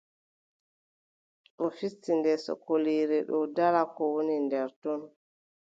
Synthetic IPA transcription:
ɗɔfitːindɛsɔ̰kːoliːɾɛɗɔdalakɔwonindɛɾtɔn

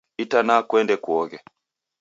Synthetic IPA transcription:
itanakwɛndɛkuɔɡɛ

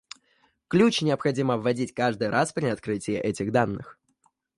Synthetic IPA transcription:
klʲut͡ɕnʲɪəpxɐdʲiməvːɐdʲitʲkaʐd̪ɨjɾʔaspɾʲɪɐt̪̚kɾɨtʲɪjɪ̰ʔɛtʲɪɣd̪anːɨ̰x

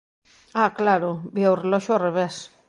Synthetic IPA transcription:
aklaɾʊbiawrelɔʃʊareβes

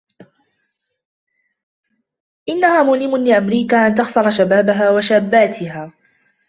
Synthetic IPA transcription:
ʔɪnːahaːmʊlɪmʊnlɪʔamɾiːkaːʔant̪ɑxsɑɾˤɑʃabaːbaɦaːwaʃaːbːaːt̪ʰɪɦaː

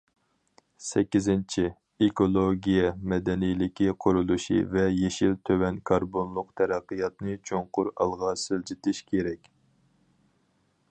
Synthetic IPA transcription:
sɛkʲːizɪnt͡ʃʰi | ekolˠoɡʲijɛmɛd̪ɛnijlɪkʲiqʰʊɾulˠuʃḭvɛjeʃilt̪ʰøwɛnkʰɑɾbonlˠʊqt̪ʰɛɾæqːɨjɑt̪nɨt͡ʃʰoŋqʊɾɑ̰lˠʁɑːsɨld͡ʒit̪ʰɪʃkʲʰeɾɛkʲ

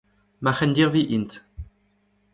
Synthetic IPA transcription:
maχɛnd̪iːʁviʔint̪

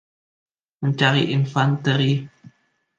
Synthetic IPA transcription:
məɲt͡ʃaɾiʔinfant̪əɾi

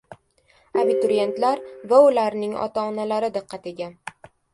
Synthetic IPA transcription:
abit̪ʊɾije̞nt̪laɾvaʊlaɾnɪŋɒ̰t̪ʰaːnalaɾɪd̪ɨqʰːɑt̪e̞ɡʲan

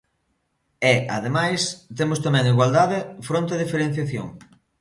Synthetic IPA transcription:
ɛaðemajst̪emʊst̪amɛ̃ŋiɣwald̪aðɪfɾõnt̪eðifeɾen̟θjaθjo̰ŋ

